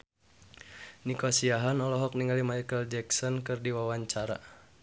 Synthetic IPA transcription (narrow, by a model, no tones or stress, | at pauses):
nikɔsiaɦanɔlɔɦɔk̚niŋɡalimajkəld͡ʒɛksɔnkɨrdiwawaɲt͡ʃaɾa̰